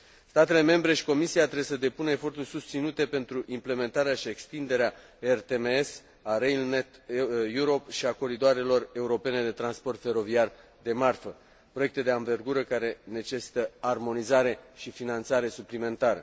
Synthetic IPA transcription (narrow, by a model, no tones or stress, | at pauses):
st̪at̪e̞le̞me̞mbɾe̞ʃi̥ko̞misiat̪ɾebes̬əd̪e̞punəefo̞rt̪urʲsust̪sinut̪e̞pe̞nt̪ɾuʔimple̞me̞nt̪aɾeaʃie̞kst̪ind̪e̞ɾea | ert̪emees | aɾejlnet̪juɾo̞pʃiako̞ɾid̪oaɾe̞lo̞re̞uɾo̞pe̞ne̞d̪e̞t̪ɾanspo̞rt̪fe̞ɾo̞viar | d̪e̞marfə | pɾo̞jek̚t̪e̞d̪e̞anve̞rɡuɾəkaɾe̞ne̞t͡ʃe̞si̥t̪əarmo̞nizaɾe̞ʃifinant̪saɾe̞suplime̞nt̪aɾə̰